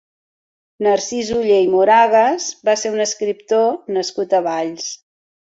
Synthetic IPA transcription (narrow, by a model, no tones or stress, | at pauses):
nərsizuʎeimuɾaɣəzbaseɾunəskɾipt̪onəskut̪əβaʎs